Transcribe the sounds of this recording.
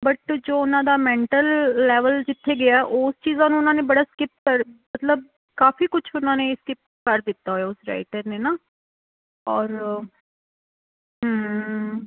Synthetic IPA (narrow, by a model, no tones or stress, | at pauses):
bəʈd͡ʒoːʊnãːd̪aːmɛ̃ːɳʈəlːɛːʋəld͡ʒɪt̪ʰːeːɡɪjaɛʔoːst͡ʃiːzãːnũːʊnãːneːbəɽaːskɪp̚kəɾmət̪ləb̚ | kaːfiːkʊt͡ʃʰʊnãːneːskɪp̚kəɾd̪ɪt̪ːaːɦojaːʊsɾa̰ːɪʈəɾneːnaː | ɔːɾ | ɦəm